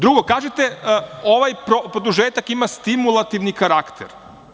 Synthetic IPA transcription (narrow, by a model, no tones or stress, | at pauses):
d̪ɾuɡo̞kaːʒet̪eoʋajpɾopɾod̪uʒeːt̪akimast̪imulˠat̪iʋnikaɾakt̪ʰḛɾ